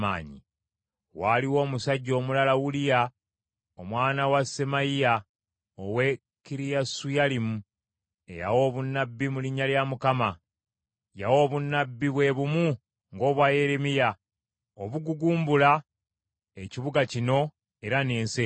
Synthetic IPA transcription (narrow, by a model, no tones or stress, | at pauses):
ma̰ːɲḭ | waːliwo̞ːmusaɟːo̞ːmulalawulija | omwaːnawasemajija | owe̞ | kiɾijasujalimu | e̞̰ja̰wo̞ːβunːabːimuliɲːaljamukama | jawo̞ːβunːabːiβwe̞βumu | ŋɡo̞ːβwaje̞ɾemija | oβuɡuɡuːmbula | eciβuɡacino̞ | e̞ɾane̞ːnse